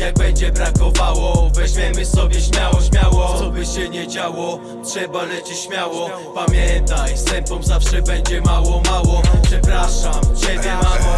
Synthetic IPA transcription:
jaɡ̚bɛɲd͡ʑɛbɾakɔvawɔvɛʑmʲjɛmɘsɔbʲjɛɕmʲjawɔɕmʲjawɔɔbɘɕɛɲɛd͡ʑawɔ | tʂɛbalɛt͡ɕɪɕmʲjawɔ | pamʲjɛnt̪ajst̪ɛmpɔmzafʂɛbɛɲd͡ʑɛmawɔmawɔpʂɛpɾaʂamt͡ɕebʲjɛmam

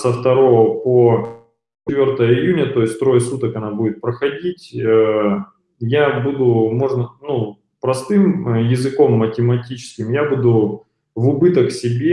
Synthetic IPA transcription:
səft̪ɐɾo̞vəpo | ɪvʲo̞rt̪əjəɪjunʲət̪o̞ɪsʲtʲt̪ɾo̞jəsut̪əkɐnabudʲɪt̪̚pɾəxɐdʲitʲə | jabud̪ʊmo̞ʐnənu | pɾɐst̪ɨmjɪzɨko̞mːətʲɪmɐtʲit͡ɕɪ̥skʲɪmjabud̪ʊ | vʊbɨt̪əksʲɪbʲe

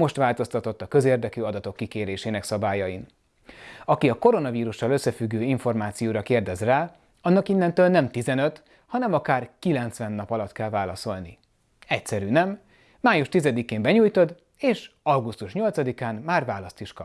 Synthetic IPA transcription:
mo̞ʃt̪ʋaːlt̪o̞st̪ɒt̪o̞t̪ːɒkø̞zeːrd̪ɛkyːɒd̪ɒt̪o̞kːikeːɾeːʃeːnɛksɒbaːjɒjin | ɒkiɒko̞ɾo̞nɒviːɾuʃɒlø̞sːɛfyɡːøːiɱfo̞rmaːt̪sijoːɾɒkeːrd̪ɛzraː | ɒnːɒkinːɛnt̪øːlnɛmt̪izɛnøt̪ | hɒnɛmɒkaːrkilɛnt̪sʋɛnːɒpɒlɒt̪kɛlvaːlɒso̞lnḭ | ɛcsɛɾyːnɛmː | aːjuʃt̪izɛd̪ikeːmbɛɲuːjt̪o̞d̪ | eːʃɒɡust̪uʃɲo̞lt̪sɒd̪ikaːnmaːrvaːlɒst̪iʃkɒp

